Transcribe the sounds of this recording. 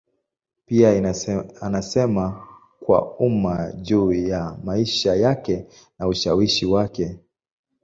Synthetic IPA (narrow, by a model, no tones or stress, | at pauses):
pia | anasɛma | kwa̰umaʄuːjamaiʃajakɛ | nauʃawiʃiwakɛ